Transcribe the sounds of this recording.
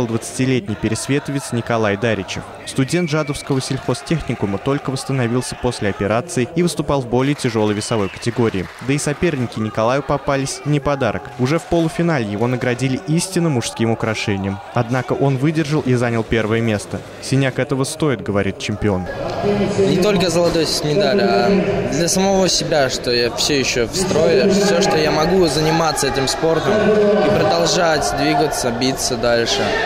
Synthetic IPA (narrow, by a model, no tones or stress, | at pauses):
lˠd̪vət̪sɨ̥tʲɪlʲetʲnʲɪjpʲɪɾʲɪsvʲe̞t̪əvʲɪt̪snʲɪkɐlˠajd̪aɾʲɪt͡ɕɪ̰ | st̪ʊdʲe̞nt̪ʐad̪əfskəvəsʲɪlʲxo̞stʲexnʲɪkʊmət̪o̞lʲkəvəst̪ənɐvʲilˠsʲəpo̞sʲlʲɪɐpʲɪɾat̪sɨɪivɨst̪ʊpɑlˠvbo̞lʲɪjətʲɪʐo̞lˠəjvʲɪsɐvo̞jkə̥tʲɪɡo̞ɾʲɪːd̪əisɐpʲe̞rnʲɪkʲɪnʲɪkɐlˠajʊpɐpalʲɪsʲnʲɪpɐd̪aɾəkʊʐɛfpolˠʊfʲɪnalʲɪjɪvo̞nəɡɾɐdʲilʲɪʔisʲtʲɪnːəmʊʂskʲimʊkɾɐʂɛnʲɪjəm | ɐd̪nakəʔo̞nvɨdʲɪrʐəlˠʔizanʲəlˠpʲe̞rvəjəmʲe̞st̪ə | sʲɪnʲakɛt̪əvəst̪o̞ɪt̪̚ɡəvɐɾʲit̪̚t͡ɕɪmʲpʲɪo̞n | nʲɪt̪o̞lʲkəzəlˠɐt̪ojsʲɪmʲɪd̪alʲad̪lʲɐsəmɐvo̞sʲɪbʲaʂt̪o̞jafsʲɵjɪɕːofst̪ɾo̞jʊsʲoʂt̪ojamɐɡuzənʲɪmat̪səɛtʲɪmspo̞rt̪əmipɾəd̪ɐlˠʐatʲd̪vʲiɡət̪səbʲit̪səd̪alʲʂɨ